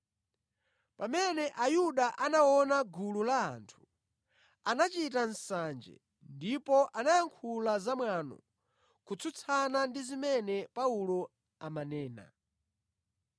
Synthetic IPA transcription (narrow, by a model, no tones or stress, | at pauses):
pamɛnɛʔajuɗaʔanawɔnaɡulula̰ːntʰu̥ | anat͡ʃitan̩sand͡ʒɛ̰ | ndipɔʔanajaŋkʰulazamwaːnɔ̰ | kut͡sʰut͡sʰanandizimɛnɛpaulɔ | amanɛːna̰